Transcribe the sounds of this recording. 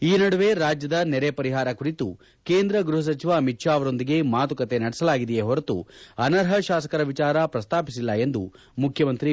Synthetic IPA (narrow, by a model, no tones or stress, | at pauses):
iːnɐɽuʋe̞ɾaːd͡ʒjɐd̪ɐnɛɾepɐɾiɦaːɾɐkuɾit̪u | keːnd̪ɾɐɡɾuɦɐs̬ɐt͡ʃiʋaːmitʃaːʋɐɾo̞nd̪iɡe̞maːt̪ukɐt̪e̞nɐɽɛsɐlaːɡid̪ɛjeɦɔɾɐt̪ṵɐnɐɾɦɐʃaːsɐ̥kɐɾɐʋit͡ʃaːɾɐpɾɐst̪ʰaːpisilːɐe̞nd̪ṵ | mukʰjɐmɐnt̪ɾi